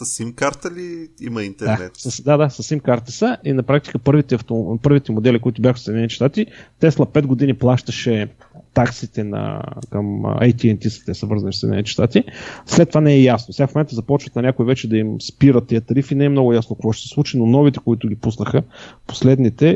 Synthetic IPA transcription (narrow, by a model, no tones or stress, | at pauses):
sɐsimkaɾt̪əliḭməint̪ɛɾd̪anɛt̪sɐsd̪ad̪asɐsimkaɾt̪əsəʔinɐpɾak̚t̪i̥kəpɤɾvit̪ɛɐft̪opɤɾvit̪ɛmod̪ɛlʲikoit̪ʊbʲjaxfsɛd̪ʲnɛnit̪ʃt̪at̪it̪ɛslˠɐpɛd̪̚ɡod̪iniplˠaʃt̪əʃɛ | t̪aksit̪ɛnɐ̰kəm̰a̰jt̪iɛnt̪ʲisə̥t̪ɛsəvɤɾzəɐnifsɛd̪inɛ̰nit̪ɛ̥ʃt̪at̪islɛt̪ːovanɛɛjasnosɛɡafmomɛnt̪əzɐpɔt͡ʃvət̪nɐnʲjakoivɛt͡ʃɛd̪ɐimspiɾət̪ːiət̪ɐɾifinɛɛmnɔɡʊjasnokkvɔʃt̪ɛsɛ̥slˠut͡ʃinonɔvit̪ɛ̥koit̪ʊɡ̟ʲipusnəxəpo̥slɛd̪nit̪ɛ